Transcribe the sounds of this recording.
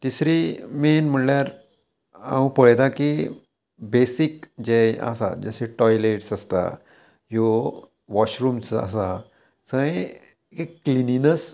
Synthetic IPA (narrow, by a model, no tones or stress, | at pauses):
t̪isɾimenm̤əɳljaɾ | a̰ũpəɭt̪aki | besikd͡ʑea̰sa̰d͡ʑəseʈɔjleʈsəst̪a̰ | jo | ʋɔɕɾuːmsə̰sa | səɡe | keklininəs